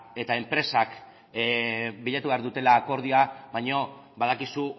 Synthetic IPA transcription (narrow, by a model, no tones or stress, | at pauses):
e̞t̪ae̞mpɾe̞sak | biʎat̪uβeaɾðut̪e̞laːko̞ɾð̞ioaβajɲo̞ | βað̞akisu